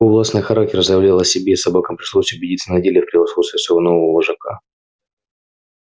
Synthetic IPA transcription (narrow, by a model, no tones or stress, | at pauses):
ovlˠasnɨjxɐɾak̚tʲɪrzəjɪvlʲalˠɐsʲɪbʲesɐbakəmpɾʲɪʂlˠosʲʊbʲɪdʲit̪sənɐdʲelʲɪjəfpɾʲɪvɐsxot̪st̪vʲɪsvʲəvonovəvəlˠəʐɐka̰